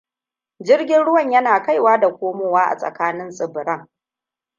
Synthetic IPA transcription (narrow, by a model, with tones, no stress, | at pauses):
d͡ʒɪ˦rɡʲɪ˦nɽʊ˦wɐ˨ɲjɐ˦naː˨ka˦˨jwaː˦da˨kʷoː˦moː˨waː˦ʔa̰˨sʼɐ̰˨kaː˦nɪ˦nsʼɪ˨bɾɐ˦ŋ